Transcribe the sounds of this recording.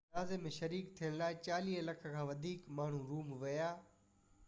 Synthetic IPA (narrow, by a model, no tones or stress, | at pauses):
aːzemẽʃɐɾiːkt̪ʰiəɽ̃laːɪt͡ɕaːliːɦəlɐkʰəkʰãːʋɐd̪ʱiːkmaːɳ̤ũɾuːmʋɐjaː